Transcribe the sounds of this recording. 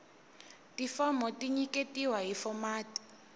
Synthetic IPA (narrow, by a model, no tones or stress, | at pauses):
tifɔmɔtʼiɲikʼetʼiwaɦifɔmaːti̥